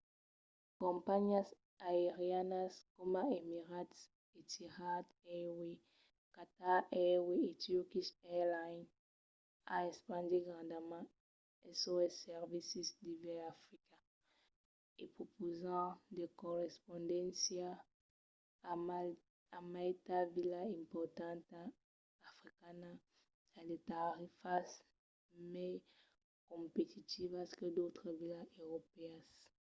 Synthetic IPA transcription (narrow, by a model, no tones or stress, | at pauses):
kɔ̃mpaɲas | aeʁjanaskomaemiʁat̪s | et̪ʰiʁat̪ɛwe | kat̪aɛweet̪jokisɛlajn | a̰espãnd̪iɡʁãnd̪amã | esoɛsɛʁvisisd̪ivɛafʁika | epχopozɑ̃d̪ekɔʁɛspɔ̃d̪ɛ̃nsja | amalt̪avilaɛ̃mpɔʁt̪ɑ̃t̪aː | fʁikana | alet̪aʁifas | mɛ | kɔ̃pet̪ʰit̪ivaskəd̪ot̪χəvilaøʁopeas